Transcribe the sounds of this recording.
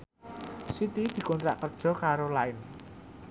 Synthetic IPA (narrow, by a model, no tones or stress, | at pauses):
sit̪id̪̥i̤kɔnt̪ɾa̰ʔkərd̥ʒ̥ɔ̤kaɾolaɪn